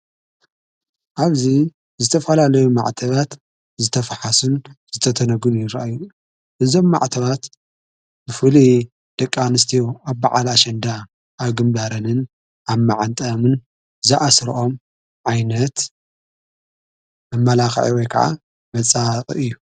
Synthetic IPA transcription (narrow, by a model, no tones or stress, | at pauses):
ʔaβzi | zɨt̪ʰɐfɐlalɐjuma̰ʕt̪ʰɐβat̪ | zɨt̪ʰɐfaħasunz̥ɨt̪ʰɐt̪ʰɐnɐɡɨlujɪɾa̰ʔajːu | ʔɨzo̞mːa̰ʕt̪ʰɐβat̪ | bɨfɨli | d̪̥ɐkʼːanɨst̪ʰiwaβːaʕalaʃɐnd̪a | ʔaβɡɨmbaɾɐnɨn | aβmaʕant̪ʼɐmɨn | zɨʔasɾɨʔo̞m | ʕajnɐt̪ | mɨmːɐlaxʕiwojkʰɐ̰ʕa̰ | mɐt͡sʼaχʼɨ̰ʔɨjːu